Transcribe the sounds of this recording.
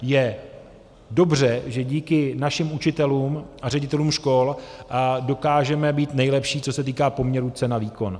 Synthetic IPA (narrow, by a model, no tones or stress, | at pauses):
jɛ | do̞brɛʒɛɟiːkɪnaʃɪmut͡ʃɪt̪ɛluːmʔarɛɟɪt̪ɛluːmʃko̞l | do̞kaːʒɛmɛbiːt̪nɛjlɛpʃiːt͡so̞sɛt̪̬iːkaːpo̞mɲɛɾut͡sɛnaviːko̞n